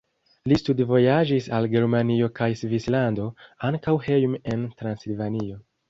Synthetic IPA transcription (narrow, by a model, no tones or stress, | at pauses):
listudvo̞jad͡ʒisalɡe̞ɾmanio̞kajsvislando̞aŋkawhe̞jme̞ntɾansilvanio̞